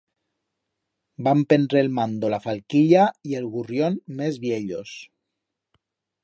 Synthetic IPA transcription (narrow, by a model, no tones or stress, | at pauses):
bampend̪ɾelmand̪olafalkiʎaielɣurjonmezβjeʎos